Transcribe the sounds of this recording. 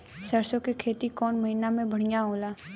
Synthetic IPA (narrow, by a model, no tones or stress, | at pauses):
səɾsõkekʰeːt̪ikɔːnmɐɦiːnamẽbɐɽ̤ijaɦoːlaː